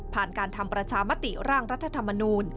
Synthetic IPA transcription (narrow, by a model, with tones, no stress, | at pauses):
pʰaː˨˩nkaː˧nt̪ʰa˧mpɾa˧t͡ɕʰaː˧ma˦˥t̪i˨˩ɾaː˥˩ŋɾa˦˥t̪ʰːa˧t̪ʰa˧mːa˧nuː˧n